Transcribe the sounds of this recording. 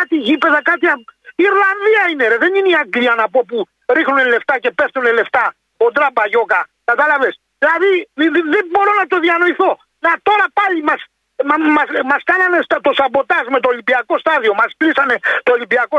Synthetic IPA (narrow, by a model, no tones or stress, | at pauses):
ɐt̪iʝipe̞ðɐkɐt̪iɐpiːɾlɐnðiɐineɾeðe̞nineiɐŋɡliɐnɐpo̞pu | ɾixnunele̞ft̪ɐce̞pe̞ft̪unele̞ft̪ɐ | od̪ɾɐbɐʝo̞kɐ | kɐt̪ɐlɐves | ðilɐðiðebo̞ɾo̞nɐt̪o̞ðiɐno̞iθo̞ | nɐt̪o̞ɾɐpɐʎimɐs | mɐmɐskɐnɐne̞st̪ɐt̪o̞sɐpo̞t̪ɐzme̞t̪o̞ːlibiɐko̞st̪ɐðio̞mɐsklisɐne̞t̪oːlibiɐko